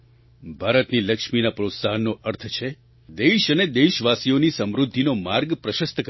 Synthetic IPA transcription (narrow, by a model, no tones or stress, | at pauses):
bʱaɾət̪niləkʃminapɾot̪saɦənːoʔəɾt̪ʰət͡ʃʰe | d̪eʃəned̪eʃʋasionisəmɾud̪ʱːinomaɾɡpɾəʃəst̪ək